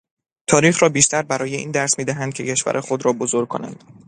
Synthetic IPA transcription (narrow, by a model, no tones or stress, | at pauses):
t̪ʰɒːɾiːxrɒːbiːʃt̪ʰæɾbæɾɒːje̞iːnd̪æɾsmiːd̪æɦænd̪̚cʰe̞cʰe̞ʃvæ̰ɾʔexod̪ɾɒːbozoɾ̚kʰo̰næ̰nd̪̥